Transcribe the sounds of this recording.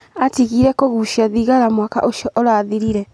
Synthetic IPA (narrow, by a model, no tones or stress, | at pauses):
atiɣiɾɛkoɣuʃiaðiɣaɾamwaka̰ʔoʃiɔʔɔɾaːðiɾiɾɛ